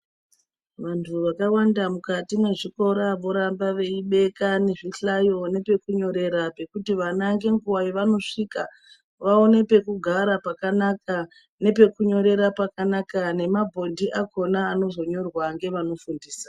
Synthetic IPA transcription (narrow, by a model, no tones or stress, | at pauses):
ʋantʰuʋakawandamukatine̞ʐiko̞ɾaʋo̞ɾambaʋe̞iɓe̞kane̞ʐiɬajo̞ne̞pe̞kuɲo̞ɾe̞ɾape̞kutiʋanaŋɡe̞ŋɡuwajiʋano̞ʂika | ʋao̞ne̞pe̞kuɡʱaɾapakanakʰa | ne̞pe̞kuɲo̞ɾe̞ɾapakanakane̞mabʱo̞ndʱiʔako̞naːno̞zo̞ɲo̞rwaŋɡe̞ʋano̞fundiːsḁ